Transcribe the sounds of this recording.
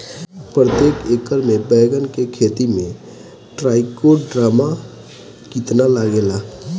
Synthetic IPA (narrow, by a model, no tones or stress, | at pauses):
pɾət̪eːkʰeːkəɾmẽbɛːɡənkekʰeːt̪imẽ | ʈɾaːɪkoɖɾaːma | kit̪nalaɡeːla